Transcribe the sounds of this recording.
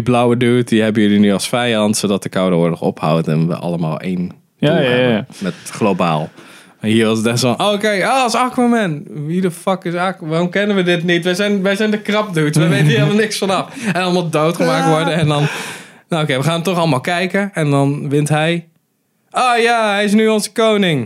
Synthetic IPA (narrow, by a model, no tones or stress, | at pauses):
diblawəduːtdiɦɛbəjølinyɑsfɛjɑntsodɔtəkawdəoːɹdəχɔ̰pha̰wtɛ̰nʋə̰ʔɑ̰lˠəma̰ːlˠḛːn | mɛtχloba̰ːlˠ | mahiərʋɔsətdɛsɔnʔoːokeːoːsakmomɛnʋidəfɑkɪsakʋaːromkɛnənʋədɪtnitʋəzɛjnʋɛjzɛjndəkrɑp̚dutʋəʋejtənɦɪəlˠmɔlˠnɪksfɔnɔfɛ̃nɑlˠmɔdowtχəmaːk̚tʋɔɹdəɛndɔnnookeːʋəχaːntɔχɑlˠəmaːlˠkɛjkəɛndɔnʋɪntɦɛj | oːjaɛjɪs̬nyonzə̥koːnɪŋ